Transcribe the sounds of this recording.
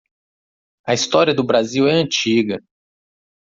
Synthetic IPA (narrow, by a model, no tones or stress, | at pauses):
ɐist̪ɔɾiɐd̪ʊbɾaziwɛɐ̃t͡ʃiɡɐ